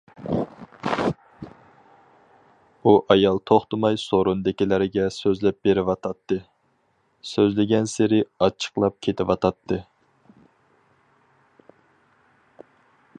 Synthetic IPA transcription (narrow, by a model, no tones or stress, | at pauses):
uʔɑjɑlˠt̪ʰoχt̪ʊmɑjsoɾund̪ɪkʲilɪɾɪɡʲɛsøzlɛp̚beɾɪwɑt̪ʰɑt̪ːɨ | søzlɪɡʲɛnsɪɾɪɑt͡ʃʰːə̥qlˠɑp̚kʲʰet̪ʰɪwɑt̪ʰɑt̪ʰːɨ